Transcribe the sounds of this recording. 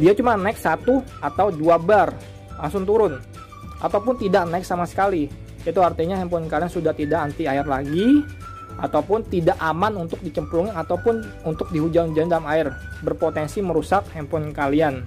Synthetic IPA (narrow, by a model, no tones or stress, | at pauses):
diat͡ʃumanaɪk̚sat̪u | at̪awduabar | asʊnt̪uɾʊn | ʔa̰t̪awpʊnt̪idaʔnaɪk̚samasə̥kali | it̪uart̪iɲahɛmpɔnkaliansudaht̪idaʔant̪iaɪrlaɡi | ʔat̪awpʊnt̪idaʔamanunt̪ʊk̚dit͡ʃəmpluŋɪat̪awpʊn | unt̪ʊk̚diɦud͡ʒaŋnud͡ʒandalamaɪrbərpot̪ɛnsiməɾusak̚hɛmpɔnkalian